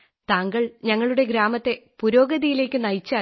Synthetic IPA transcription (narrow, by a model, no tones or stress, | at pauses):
t̪aːŋɡɐɭɲɐŋːɐɭuɽe̞ɡɾaːmɐt̪ːe̞puɾo̞ːɡɐðijile̞ːkʲːɨnɐjt͡ɕːaː